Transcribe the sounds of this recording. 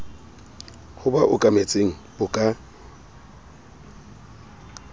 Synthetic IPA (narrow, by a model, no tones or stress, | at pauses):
hʊbaʔʊkʼamet͡sʼeŋ̩bʊkʼa